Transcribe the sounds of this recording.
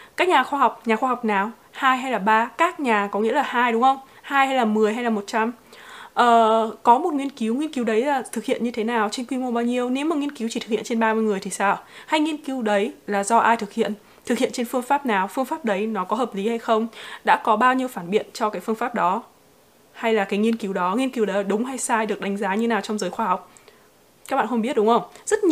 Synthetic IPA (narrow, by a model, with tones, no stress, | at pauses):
ka˦˥k̚ɲaː˨˩xwaː˧ɦa˨˩wk͡p̚ɲaː˨˩xwaː˧ɦa˨˩wk͡p̚naː˨˩w | haː˧jɦa˧jlaː˨˩ɓaː˧kaː˦˥k̚ɲaː˨˩kɔ˨˦ŋḭ˧˥laː˨˩haː˧jɗʊ˨˦ŋ͡mxə˧wŋ͡m | haː˧jha˧jlaː˨˩mɨ˨˩əjɦa˧jlaː˨˩mo˨˩t̚t͡ɕa˧mʔəː˨˩kɔ˨˦mo˨˩t̚ŋi˧ənki˨˦wŋi˧ənki˨˦wɗə˨˦jlaː˨˩t̪ʰɨ˨˩k̚hḭ˧˨ənɲɨ˧t̪ʰe˨˦naː˨˩wt͡ɕe˧nkwi˧mo˧ɓaː˧wɲi˧əwne˨˦wmaː˨˩ŋi˧ənki˨˦wt͡ɕi˧˩t̪ɨ˨˩k̚hḭ˧˨nt͡ɕe˧nɓaː˧mɨ˧jŋɨ˨˩əjt̪ʰi˨˩saː˧˩ha˧jŋi˧ənki˨˦wɗə˨˦jlaː˨˩zɔ˧ʔaː˧jt̪ʰɨ˨˩k̚hḭ˧˨ən | t̪ʰɨ˨˩hḭ˧˨ənt͡ɕe˧nfɨ˧əŋfaː˦˥p̚naː˨˩wfɨ˧əŋfaː˦˥p̚ɗə˨˦jnɔ˨˦kɔ˨˦ɦəː˨˩p̚li˨˦ha˧jxə˧wŋ͡mɗa̰ː˧˥kɔ˨˦ɓaː˧wɲi˧əwfaː˧˩nɓḭ˧˨ənt͡ɕɔ˧kaː˨˦jfɨ˧ənfaː˦˥p̚ɗɔ˨˦ | ha˧jlaː˨˩kaː˨˦jŋi˧ənki˨˦wɗɔ˨˦ŋi˧ənki˨˦wɗə˨˦jɗʊ˨˦ŋ͡mɦa˧jsaː˧jɗɨ˨˩ək̚ɗa˨˦ŋzaː˨˦ɲɨ˧e˧˦naː˨˩wt͡ɕɔ˧wŋ͡mzəː˨˦jxwaː˧ha˨˩wk͡p̚ | ka˦˥k̚ɓa̰ː˧˨xə˧ŋ͡mɓi˦˥ət̚ɗʊ˨˦ŋ͡mʔə˧wŋ͡mzə˦˥t̚